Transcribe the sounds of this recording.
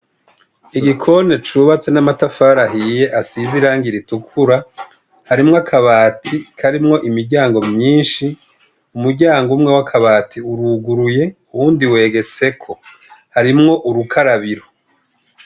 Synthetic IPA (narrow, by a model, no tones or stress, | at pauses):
iɡikʰo̞ne̞t͡ʃuːβat͡se̞namatafaːɾaɦije̞ʔasiziɾaːŋɡiɾitukʰuɾa | haɾimŋoakʰaβaːtʰikʰaɾimŋo̞ʔimiɾɟaːŋɡo̞mɲiːnʃi | umuɾɟaːŋɡumŋe̞wakʰaβaːtʰiuɾuɡuɾuje̞uwuːndiwe̞ːɡe̞t͡se̞kʰo̞ | haɾimŋo̞ʔuɾukʰaɾaβiɾo